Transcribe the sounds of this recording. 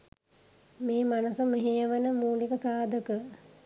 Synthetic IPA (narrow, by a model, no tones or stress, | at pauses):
meːmanəsəmeɦejəʋənəmuːlikəsaːd̪ʱəkə